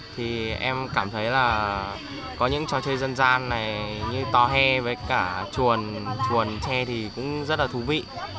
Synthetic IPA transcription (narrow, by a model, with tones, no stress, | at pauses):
t̪ʰi˨˩ʔɛ˧mkaː˧˩mt̪ʰə˨˦jlaː˨˩ | kɔ˨˦ɲɨ̰˧˥ŋt͡ɕɔ˧˩t͡ɕəː˧jzə˧nzaː˧nːa˨˩jɲɨ˧t̪ɔ˧ɦɛ˧vəː˨˦jkaː˧˩t͡ɕu˨˩ənt͡ɕu˨˩ənt͡ɕɛ˧t̪ʰi˨˩kʊ̰˧˥ŋ͡mzə˦˥t̚laː˨˩t̪ʰu˨˦vḭ˧˨